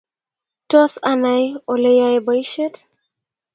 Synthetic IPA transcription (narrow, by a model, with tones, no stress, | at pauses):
tɔ˦sanajo˨lejaba˦jʃe˦t